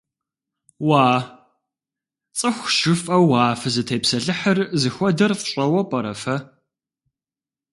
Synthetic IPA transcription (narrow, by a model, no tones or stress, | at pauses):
waː | t͡sʼɨxʷʃɪfʼɐwːaːfɐzɨtʰeːpsɐɮɨħərzɨxʷɔdɐrfɕʼɐwɐpʼɐɾɐ̰fɐ